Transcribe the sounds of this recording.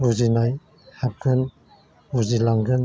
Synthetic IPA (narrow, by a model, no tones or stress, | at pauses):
buzinaj | hap̚kʰɯn | buzilaŋɡɯn